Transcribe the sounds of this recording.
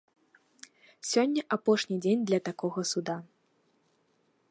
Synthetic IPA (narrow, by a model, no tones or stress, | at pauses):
sʲɔnʲːɐʔapɔʂnʲid͡zʲenʲd̪lʲɐt̪akɔɣɐsud̪a